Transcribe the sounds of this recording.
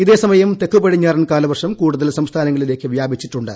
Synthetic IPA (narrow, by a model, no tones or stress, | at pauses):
iðe̞ːsɐmɐjɐmt̪e̞kːupɐɽiɲːaːrɐnkaːlɐʋɐrʂɐmkuːɽuðɐlsɐmst̪ʰaːnɐŋːɐɭile̞ːkːɨʋjaːbit͡ɕːiʈːuɳɖɨ